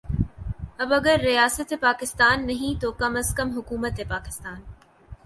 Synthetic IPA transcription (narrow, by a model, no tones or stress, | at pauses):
ɐbɐɡəɾːijaːsət̪epaːkɪst̪aːnːɐɦĩt̪oːkɐməskɐmɦʊkuːmət̪epaːkɪ̥st̪aːn